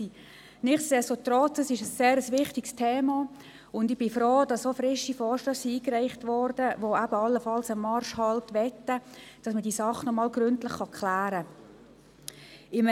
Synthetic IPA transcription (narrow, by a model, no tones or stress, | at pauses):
i | nɪχtsɛsotɾɔt͡səsɪʃəsːeːɾəsʋɪχtɪkstʰeːmɑ | ʊndɪb̥ɪfɾoːd̥ɑssofɾɪʃifɔːɾʃtœssiiːkræɪχtʋɔɾd̥əʋoæbəɑlːəfɑlsəmɑɾʃhɑltʋɛtːəd̥ɑsmədiːsɑχːənɔmɑːlɡɾʏntləχːɑkχlæːɾə | ɪm